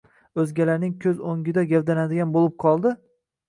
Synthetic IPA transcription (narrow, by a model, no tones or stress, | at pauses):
ɵzɡʲalaɾnɪŋkʲʰɵzoŋɡʲɪd̪aɡʲawd̪anad̪ɪɡʲanbolɪp̚qʰɒlˠd̪ɪ